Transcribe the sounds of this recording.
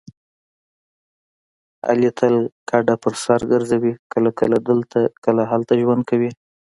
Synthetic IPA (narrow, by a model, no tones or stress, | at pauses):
a̰let̪ʰalkʰɑɖapəɾsɑɾɡəɾzawikəlakəlad̪əlt̪akəlaɦalt̪aʒwand̪̚kʰawi